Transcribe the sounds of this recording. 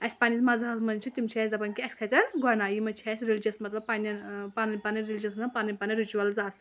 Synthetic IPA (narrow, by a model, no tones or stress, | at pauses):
ɐsʲpaːnʲismɐzaɦɐsmɐnt͡ʃʰut̪imt͡ʃʰɛsʲd̪ɐpɐnkiɐsʲkʰɐt͡sɐnɡɔnaːjimɐt͡ʃʰɛsʲɾild͡ʒʲɐsmɐt̪lɐbpanʲɐnpanɐpanɐɾilʲd͡ʒɐsnɐpanɐpɐnɐɾit͡ʃuʋɐlzas